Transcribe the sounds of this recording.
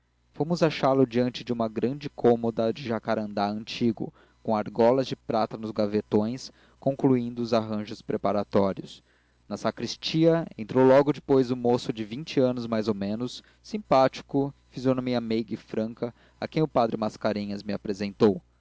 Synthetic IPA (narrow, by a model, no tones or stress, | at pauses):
fõmʊzaʃalʊd͡ʒiɐ̃nt͡ʃɪd͡ʒɪũmɐɡɾɐ̃d͡ʒɪkʰõmod̪ɐd͡ʒɪʒakaɾɐ̃nd̪aɐ̃nt͡ʃiɡʊ̰ | kõaɾɡɔlɐzd͡ʒɪpɾat̪ɐnʊzɡavet̪õj̃s | kõŋkluĩnd̪ʊːzaɦɐ̃ʒʊspɾepaɾat̪ɔɾiʊs | nɐsakɾist͡ʃiɐẽnt̪ɾowlɔɡʊd͡ʒɪpojzʊmosʊd͡ʒɪvĩnt͡ʃɪɐ̃nʊzmajzomẽnʊsː | ĩpat͡ʃi̥kʊfizjonõmiɐmejɡɪfɾɐ̃kɐ | ɐ̰kẽj̃ʊpad̪ɾɪmaskaɾẽɲɐzmɪapɾezẽnt̪ow